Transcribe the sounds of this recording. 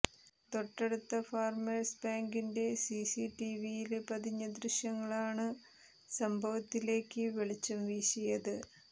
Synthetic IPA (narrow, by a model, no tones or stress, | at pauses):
t̪o̞ʈːeɽut̪ːɐfaːrmɐlsbaːŋɡinde̞sisiʈiʋijilpɐd̪ʱiɲːɐd̪riɕjɐŋːɐɭaːɳɨ | sɐmbʱɐʋɐt̪ːile̞ːkːɨʋeɭit͡ɕːɐmʋiːɕɐjɐðɨ